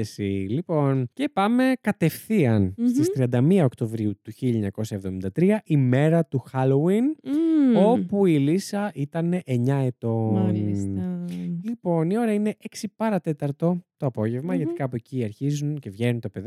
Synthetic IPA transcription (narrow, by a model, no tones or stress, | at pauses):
esilipo̞nce̞pɐme̞kɐt̪e̞fθiɐnst̪ist̪ɾiɐnd̪ɐmiɐo̞kt̪o̞vɾiut̪uçiʎɐeɲɐko̞sɐevðo̞mind̪ɐt̪ɾiɐʔime̞ɾɐt̪uxɐlowin | o̞puilisɐʔit̪ɐne̞ʔeɲɐet̪o̞ | lipo̞nio̞ɾɐine̞ʔeksipɐɾɐt̪e̞t̪ɐɾt̪o̞t̪o̞ɐpo̞ʝevmɐʝɐt̪ikɐːpoeciɐɾçizunce̞vʝenunt̪ope̞ð